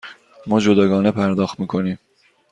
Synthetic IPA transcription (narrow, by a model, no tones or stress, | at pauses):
mɒːd͡ʒod̪ɒːɡɒːne̞pʰæɾd̪ɒːxt̪miːkʰo̞niːm